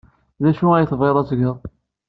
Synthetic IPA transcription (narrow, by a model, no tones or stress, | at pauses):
ðæʃuæjθveɾˤɑzɡəðˤ